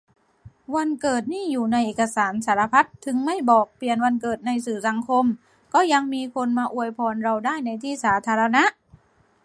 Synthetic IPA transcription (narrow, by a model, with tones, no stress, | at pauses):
wa˧nkɤː˨˩t̪̚niː˥˩juː˨˩na˧jʔeː˨˩ka˧saː˩˦nsaː˩˦ɾa˧pʰa˦˥t̪ʰːɯ˧ŋma˥˩jbɔː˨˩k̚pli˨˩ənwa˧nkɤː˨˩t̪̚na˧jsɯː˨˩sa˨˩˦ŋkʰo˧m | kɔː˥˩ja˧ŋmiː˧kʰo˧nmaː˧ʔu˧˩əjpʰɔː˧nɾa˧wdaː˥˩jna˧jt̪ʰiː˥˩saː˩˦t̪ʰaː˧ɾa˧na˦˥ʔ